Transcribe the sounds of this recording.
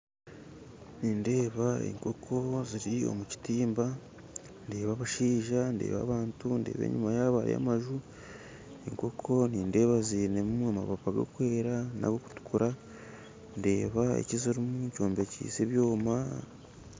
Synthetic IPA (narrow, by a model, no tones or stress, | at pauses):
niːnde̞ːβaḛŋko̞kʰo̞ziɾio̞̰muci̥tiːmba | nde̞ːβaːβaʃiːʒande̞̰ːβa̰ːβaːntunde̞̰ːβḛːɲumajaβaɾḭa̰maʒu | eŋko̞kʰo̞niːnde̞ːβazinemuamaβapaɡo̰kwe̞ːɾana̰ɡoku̥tu̥kuɾa | nde̞ːβaḛciziɾimuɲco̞ːmbe̞cḭːseβjo̞ːma